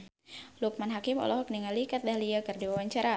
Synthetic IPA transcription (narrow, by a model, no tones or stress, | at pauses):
luk̚manɦakimɔ̰lɔɦɔk̚niŋalikat̪̚lahliakərdiwawaɲt͡ʃaɾa